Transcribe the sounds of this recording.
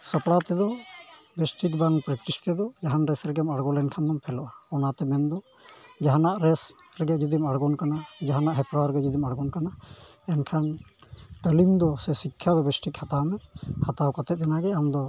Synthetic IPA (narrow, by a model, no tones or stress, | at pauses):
səpɽat̪ɛd̪ɔbɛsʈik̚baŋpɾɛk̚ʈist̪ɛd̪ɔd͡ʒaɦanɾɛsɾɛɡɛmaɽɡɔlɛnkʰand̪ɔmpʰɛlɔʔaɔnat̪ɛmɛnd̪ɔ | d͡ʒaɦanaʔɾɛs | ɾɛɡɛd͡ʒud̪imaɽɡɔnkanad͡ʒaɦanaʔɦɛpɾaɾɛɡɛd͡ʒud̪imaɽɡɔnkana | ɛnkʰant̪əlimd̪ɔsɛsikʰːjad̪ɔbɛsʈikhat̪amɛhat̪awkat̪ɛt̪̚ɛnaɡɛamd̪ɔ